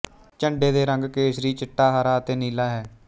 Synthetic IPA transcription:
t͡ʃəɳɖeːd̪eːɾəŋɡkeːʃɾiːt͡ʃɪʈːaːɦaːɾaːət̪eːniːlaːɦɛː

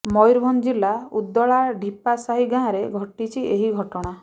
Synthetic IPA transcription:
mɔjɾbʱɔnd͡ʒilaud̪ːɔɭaɖʱipasaɦiɡãːɾeɡʱɔʈit͡ʃʰiʔeɦiɡʱɔʈɔɽ̃a

